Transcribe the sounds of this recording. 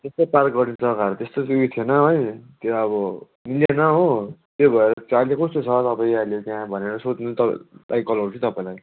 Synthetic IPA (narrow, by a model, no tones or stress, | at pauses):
t̪est̪oparkɡʌrnit͡sʰʌkaɾt̪est̪osiit̪ʰjenʌɦojt̪eɾːbʌ | niljanʌɦot̪ebʱʌeɾʌt͡salekust̪ot͡sʰʌt̪ʌpaĩalet̪jaɦãbʱʌneɾʌsot͡snut̪ʌlʔa̰jkʌlawt͡sʰũt̪ʌpaĩlaj